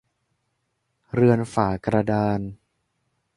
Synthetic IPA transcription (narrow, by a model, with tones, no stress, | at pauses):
ɾɯ˧ənfaː˨˩kɾa˧daː˧n